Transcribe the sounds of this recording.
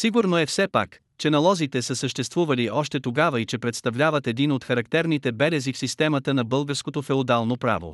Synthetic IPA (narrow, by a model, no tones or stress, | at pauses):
siɡʊɾnoɛfsɛpa̰k | t͡ʃɛnɐlˠɔzit̪ɛsəsəʃt̪ɛst̪vuvɐliʔɔʃt̪ɛt̪oɡavəit͡ʃɛpɾɛt̪st̪ɐvlʲavət̪ɛd̪inot̪xɐɾɐkt̪ɛɾnit̪ɛbɛɾɛzifsist̪ɛmət̪ənɐbɤlˠɡəɾskot̪ofɛod̪alˠnopɾa̰vo̰